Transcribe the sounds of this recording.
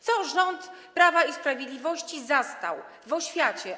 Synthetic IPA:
t̪sɔʐɔnt̪pɾavaispɾavʲjed̪lʲivɔɕt͡ɕizast̪a̰w | vɔɕfʲjat͡ɕɛ

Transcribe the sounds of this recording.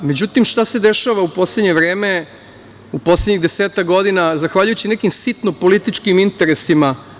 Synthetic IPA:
me̞d͡ʑut̪imʃt̪ased̪e̞ʃaʋaupo̞sle̞d̪ɲeʋɾe̞ːme̞ | upo̞sledɲiɣd̪eseːt̪akɡo̞d̪inazaxʋaʎujut͡ɕine̞kimsit̪no̞po̞lit̪it͡ʃkimint̪e̞ɾe̞sima

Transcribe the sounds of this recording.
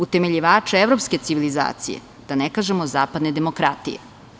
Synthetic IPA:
ut̪eme̞ʎiʋaːt͡ʃeevɾo̞pske̞t̪siʋiliza̰ːt̪sḭjḛ | d̪̥anekaʒemozaːpad̪ned̪e̞mokɾat̪ḭjḛ

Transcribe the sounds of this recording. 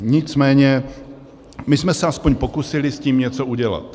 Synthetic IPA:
ɲɪt͡smɛːɲɛ | mɪsmɛsɛaspoɲpo̞kusɪlɪsciːmɲɛt͡souɟɛla̰t̪

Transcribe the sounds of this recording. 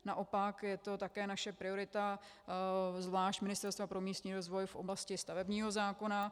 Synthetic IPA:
naʔo̞pakjɛt̪o̞t̪akɛːnaʃɛpɾɪo̞ɾɪt̪a | zvlaːʃt̪mɪnɪst̪ɛɾst̪vapɾo̞miːst̪ɲiːɾo̞zvo̞jfʔo̞̰blascɪst̪avɛbɲiːɦo̞zaːko̞na

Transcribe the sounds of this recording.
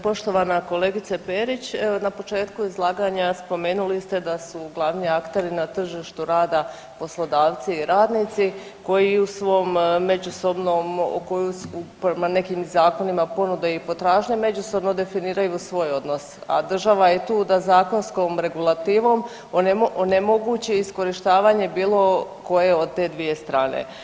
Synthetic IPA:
po̞ʃt̪o̞ʋanako̞le̞ːɡit̪sapeːɾit͡ɕnapo̞t͡ʃe̞ːt̪kuizlˠaːɡaɲaspo̞me̞ːnulist̪e̞d̪asuɡlˠaʋniːakt̪e̞ɾinat̪r̩ʒiːʃt̪uɾaːd̪a | po̞slˠo̞d̪aːʋt̪siːɾaːd̪nit̪si | ko̞jiusʋo̞mme̞d͡ʑuso̞bnomkojusupɾemane̞kimzaːko̞nimapo̞nud̪eipo̞t̪ɾaːʒɲeme̞d͡ʑuso̞bno̞d̪e̞finiːɾajusʋo̞ːjo̞d̪no̞sa̰d̪r̩ʒaʋajet̪uːd̪azaːko̞nskomɾe̞ɡulˠat̪iːʋo̞m | oneoone̞mo̞ɡut͡ɕeisko̞ɾiʃt̪aːʋaɲe̞biːlˠo̞ko̞je̞o̞d̪̚t̪e̞ːd̪ʋije̞st̪ɾaːnḛ

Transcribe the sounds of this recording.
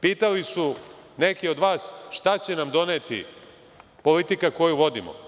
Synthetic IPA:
piːt̪alisu | ne̞kio̞d̪ʋaːsʃt̪at͡ɕe̞namd̪o̞neːt̪ḭ | po̞lit̪ikako̞juʋo̞d̪ḭmo̰

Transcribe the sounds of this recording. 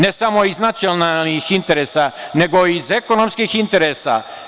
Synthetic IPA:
nesamo̞iznat̪sionalnixint̪e̞ɾesane̞ɡo̞izekonomskixint̪e̞ɾeːsa̰

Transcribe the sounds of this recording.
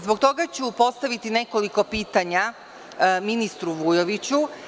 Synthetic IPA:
zbokt̪o̞ɡat͡ɕupo̞st̪aʋit̪ine̞ko̞liko̞piːt̪aɲa | minist̪ɾuʋujoʋit͡ɕu

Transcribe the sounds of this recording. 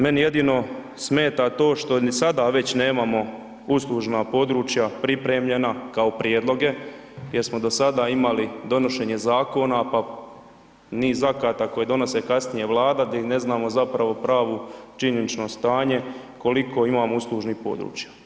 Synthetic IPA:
me̞nije̞d̪iːno̞ | sme̞ːt̪at̪o̞ːʃt̪o̞sad̪aʋe̞t͡ɕne̞ːmamo̞ | uslˠuʒnapo̞d̪ɾuːt͡ʃjapɾipɾeːmʎenakaopɾjed̪lˠo̞ɡe̞ | jeɾsmo̞d̪o̞sad̪aimalid̪o̞no̞ʃe̞ːɲe̞zaːko̞napa | niːzakaːt̪ako̞jed̪o̞no̞se̞kasnije̞ʋlˠaːd̪ad̪ine̞znaːmo̞zapɾaʋo̞pɾaːʋot͡ʃiɲenit͡ʃno̞st̪aːɲe̞ | ko̞liko̞imaːmouslˠuʒnipo̞̰d̪ɾṵːt͡ʃjḁ

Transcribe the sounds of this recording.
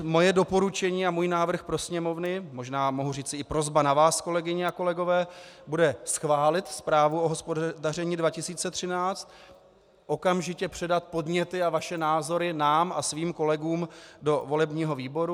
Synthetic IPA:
mo̞jɛdo̞po̞ɾut͡ʃɛɲiːamuːjnaːvr̩xpɾo̞sɲɛmo̞vnɪmo̞ʒnaːmo̞ɦuriːt͡sɪɪpɾo̞zbanavaːsko̞lɛɡɪɲɛako̞lɛɡo̞vɛːbudɛsxvaːlɪt̪spɾaːvuoɦospodarɛɲidvacɪsiːt͡sɛt̪r̝̥ɪnaːt͡st̪̚ | ʔo̞kamʒɪcɛpr̝̥ɛdat̪po̞dɲɛt̪ɪavaʃɛnaːzo̞ɾɪnaːmʔasviːmko̞lɛɡuːmdo̞vo̞lɛbɲiːɦo̞viːbo̞ɾu

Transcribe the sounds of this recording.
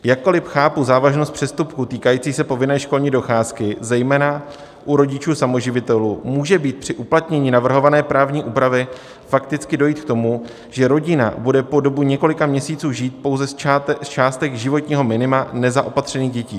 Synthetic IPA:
jakːo̞lɪfxaːpuzaːvaʒno̞st̪̚pr̝̥ɛst̪upkut̪iːkajiːt͡siːsɛpo̞vɪnɛːʃko̞lɲiːdo̞xaːskɪzɛjmɛːna | ʔuɾo̞ɟɪt͡ʃuːsamo̞ʒɪvɪt̪ɛluːmuːʒɛbiːt̪̚pr̝̥ɪʔuplat̪ɲɛɲiːnavr̩ɦo̞vanɛːpɾaːvɲiːʔuːpɾavɪ | fak̚t̪ɪt͡skɪdo̞jiːt̪kt̪o̞mu | ʒ̥ɛɾo̞ɟɪna̰budɛpo̞do̞buɲɛko̞lɪkamɲɛsiːt͡suːʒiːt̪̚po̞wzɛst͡ʃaːst̪ɛɣʒɪvo̞t̪ɲiːɦo̞mɪnɪmanɛzaʔo̞pat̪r̝̥ɛniːɣɟɛciː

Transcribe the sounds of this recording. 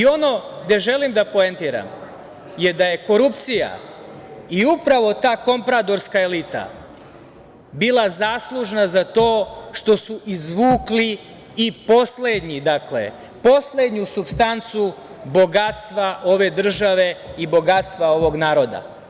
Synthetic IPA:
io̞no̞ɡd̪e̞ʒe̞limd̪apoent̪iɾa̰m | je̞d̪aje̞ko̞ɾupt̪sija̰ | iupɾaʋo̞t̪aːko̞mpɾat̪o̞ɾskaelit̪a̰ | bilˠazaːslˠuʒnazat̪o̞ːʃt̪o̞suʔizʋuːkliː | po̞sled̪ɲid̪akle̞̰ | po̞sled̪ɲusupst̪ant̪su | bo̞ɡat̪st̪ʋaʔo̞ʋe̞d̪r̩ʒaʋe̞ibo̞ɡat̪st̪ʋao̞ʋo̞ɡnaːɾo̞d̪a̰

